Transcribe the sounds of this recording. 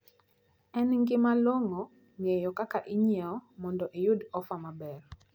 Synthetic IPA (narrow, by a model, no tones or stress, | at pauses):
ɛnŋɡɪmalwoŋɔ | ŋejɔkakaʔiɲɛɔmɔndɔʔejʊdɔfamabɛr